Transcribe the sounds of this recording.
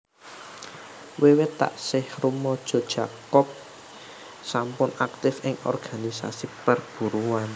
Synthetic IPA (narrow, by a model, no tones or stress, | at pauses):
wewet̪a̰ʔsɪhrumɔd̥ʒ̥ɔ̤d̥ʒ̥akɔk̚ | sampʊnak̚t̪ɪfɪŋɔ̰rɡ̥anisa̰sipərb̥ṳɾuan